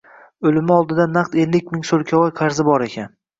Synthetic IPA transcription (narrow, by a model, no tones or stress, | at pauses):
ɵlɪmɪɒlˠd̪ɪd̪anːaqt̪e̞lːɪkʲmɪŋsolˠkʲʰavɒjqʰɑɾzɪbɒɾe̞kʲʰan